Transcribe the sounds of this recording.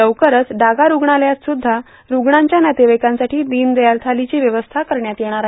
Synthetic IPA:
əwkəɾət͡sɖaɡaɾuɡɳaljat͡ssud̪ʱːa | ɾuɡɳaɲt͡ɕjanjat̪eʋekãnsaʈʰiːd̪iːnd̪ejalt̪ʰalit͡ɕiːʋjəʋəst̪ʰakəɾɳjat̪jeɽ̃aɾaɦ

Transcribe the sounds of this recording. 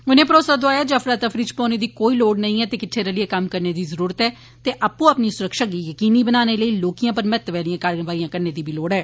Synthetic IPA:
ʊnẽːpɾoːsaːd̪ʊaːjaːd͡ʒəfʰɾaːt̪əfʰɾit͡ʃpɔ̃ːneːd̪iːkoːiːloːɽnəĩːɛːt̪eːkɪʈʰːeːɾəlɪeːkəmkəɾneːd̪iːzəɾuːɾət̪ɦɛː | t̪eːʔaːpːũːəpniːsʊɾəkʃaːɡiːjəkiːniːbənaːneːləiːloːkijãːpəɾmɛt̪ːʋɛːlɪjãːkaɾʋaːijãːkəɾneːd̪iːbiːloːɽɛː

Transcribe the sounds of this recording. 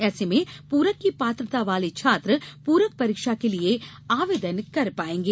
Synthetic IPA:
ɛːsemẽpuːɾəkːipaːt̪ɾət̪aʋaːlit͡ʃʰaːt̪ɾəpuːɾək̚pɐɾiːkʃakelie | aːʋeːd̪ənkɐɾpaːẽːŋɡeː

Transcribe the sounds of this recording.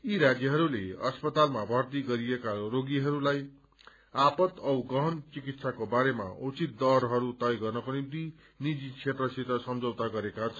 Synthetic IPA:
iɾad͡zjʌɦʌɾuleʌspʌt̪almabʱʌrt̪iɡʌɾijekaɾoɡiɦʌɾulaj | apʌt̪ʌwɡʌɦʌnt͡sikit̪sʰakobaɾema̰ut͡sit̪̚d̪ʌrɦʌɾut̪ʌjɡʌrnʌkonimt̪i | nid͡zit͡sʰet̪rʌsit̪ʌsʌmd͡zʌwt̪aɡʌɾekat͡sʰ

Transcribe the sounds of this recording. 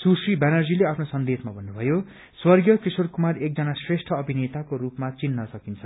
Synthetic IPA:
susribanʌrd͡zileapʰnosʌnd̪esmabʱʌnːubʱʌjo | swʌrɡjʌkisorkumarek̚d͡zʌnasresʈʰʌʌbʱinet̪akoɾupmat͡sinːʌsʌkint͡sʰʌ

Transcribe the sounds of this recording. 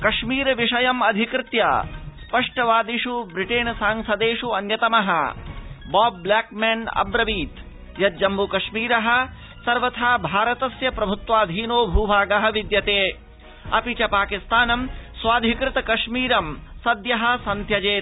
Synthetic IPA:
kɐʃmiːɾɐʋiʂɐjɐmɐd̪ʱikɾɪt̪jɐ̰spɐʂʈɐʋaːd̪iʂubɾiʈeːnsaːŋsɐd̪eːʂuɐnjɐt̪ɐmɐɦɐ̰̆ | baːbːlaːk̚mɛnɐ̰bɾɐʋiːt̪ | jɐd̪d͡ʒɐmbukɐʂmiːɾɐɦɐ̆ | sɐɾʋɐt̪ʰaːbʱaːɾɐt̪ɐsjɐpɾɐbʱut̪ʋaːd̪ʱiːnoːbʱuːbʱaːɡɐɦɐʋid̪jɐt̪eː | ɐ̰pit͡ʃɐpaːkist̪aːnɐmsʋaːd̪ʱikɾɪt̪ɐkɐʂmiːɾɐmsɐd̪jɐɦɐ̆sɐnt̪ʰjɐd͡ʒeːt̪

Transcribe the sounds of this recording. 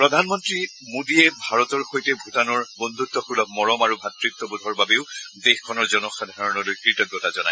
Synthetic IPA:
pɹɔdʱanmɔntɹi | modiɛbʱaɹɔtɔɹxojtɛbʱutanɔɹbɔnd̪ʱutːɔxulɔk̚mɔɹɔmaɹubʱatɹitːɔbudʱɔɹbabeʊdexkʰɔnɔɹzɔnɔxadʱaɹɔnɔlojkɹitɔɡjɔtazɔna̰j

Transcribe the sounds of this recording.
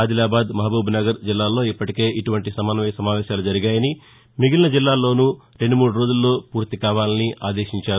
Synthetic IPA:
aːd̪ilaːbaːd̪mɐɦabuːbʱunɐɡɐɾd͡ʒilːaːlo̞ːipːɐʈike̞ːʔiʈuʋɐɳʈisɐmaːnɐʋɐjɐsɐmaːʋɛːʃaːlud͡ʒɐɾiɡaːjɐni | miɡilɐnɐd͡ʒilːaːlo̞ːnu | ɾe̞ɳɖumuːɽuɾo̞ːd͡ʒulːo̞ːpuːɾt̪ikaːʋaːlɐniʔa̰ːd̪eːʃiɲt͡ʃaːɾu

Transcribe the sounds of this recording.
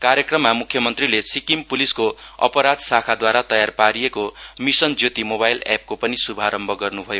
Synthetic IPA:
kaɾjʌkrʌmːamukʰjʌmʌnt̪rilesikimpuliskoʌ̰pʌɾad̪sakʰad̪waɾat̪ʌjarpaɾijekomisʌnd͡zjot̪imobajlɛ̰p̚kopʌnisubʱaɾʌmbʱʌɡʌrnubʱʌjo

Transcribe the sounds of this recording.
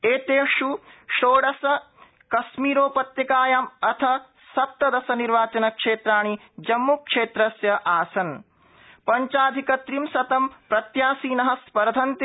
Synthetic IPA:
eːt̪eːʂuʃoːɽɐsɐ | kɐsmiːɾoːpɐt̪jɐkaːjaːmɐt̪ʰɐ | sɐp̚t̪ɐd̪ɐsɐniɾʋaːt͡ʃɐnɐkʂeːt̪ɾaːɳ̃i | d͡ʒɐmːukʂeːt̪ɾɐsjɐʔaːsɐn | pɐɲt͡ʃaːd̪ʱikɐt̪ɾimsɐt̪ɐmpɾɐt̪jaːsiːnɐɦɐ̆spɐɾd̪ʱɐnt̪

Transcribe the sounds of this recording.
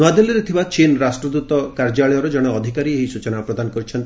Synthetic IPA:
ad̪eliɾet̪ʰibat͡ʃinɾasʈɾɔd̪ut̪ɔkaɾd͡ʒaɭɔjɔɾɔd͡ʒɔɽ̃ɔɔd̪ʱikaɾieɦisut͡ʃɔnapɾɔd̪anɔkɔɾit͡ʃʰɔnt̪

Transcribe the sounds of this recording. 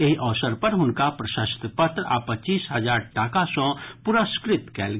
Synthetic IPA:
eɦiʔɔːʋsəɾpəɾɦʊnkapɾɐʃəst̪pɐt̪ɾa̰ːpːɐt͡ʃiːsɦɐd͡ʒaːɾʈaːkasɔ̃ːpuɾaskɾɪt̪kɛːlɡ

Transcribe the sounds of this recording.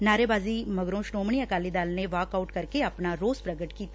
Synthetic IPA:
naːɾeːbaːziːməɡɾõːʃnoːmɳiːəkaːliːd̪aːlneʋaːkaʊʈkəɾkeəpnaːɾoːzpɾəɡəʈkiːt̪a

